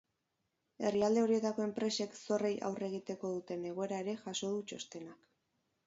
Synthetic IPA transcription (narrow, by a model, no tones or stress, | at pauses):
e̞riald̪e̞o̞ɾie̞t̪ako̞e̞mpɾe̞se̞kso̞re̞jʔa̰wre̞ɣ̞it̪e̞ko̞ð̞ut̪e̞ne̞ɣ̞o̞e̞ɾaeɾe̞ʝaso̞ðut͡ʃo̞st̪e̞nak